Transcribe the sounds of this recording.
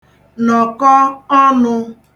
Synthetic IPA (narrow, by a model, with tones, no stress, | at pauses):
nɔ˨kɔ˦ɔ˦nʊ˦